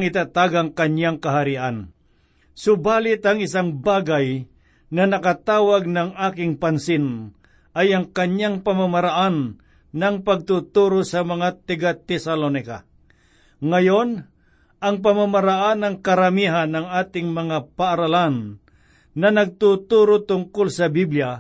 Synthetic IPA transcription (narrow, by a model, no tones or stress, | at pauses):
ŋɪt̪at̪aːɡaŋkɐɲaŋkaɦaɾiʔan | sʊbaːlɪt̪aŋɪsaŋbaːɡaj | nɐnɐkat̪aːwaɡ̚nɐŋaːkɪŋpansɪn | ʔajɐŋkɐɲaŋpamamaɾaʔanː | ɐŋpaɡ̚t̪ut̪uɾosɐmɐŋat̪ɪɡat̪ɛsalonɪka̰ | ŋajon | ʔɐŋp̬amamaɾaʔanːɐŋkaɾamiːɦanːɐŋaːt̪ɪŋmɐŋapaʔːɾalanː | ɐnɐɡ̚t̪ut̪uɾot̪ʊŋkʊlsɐbiblja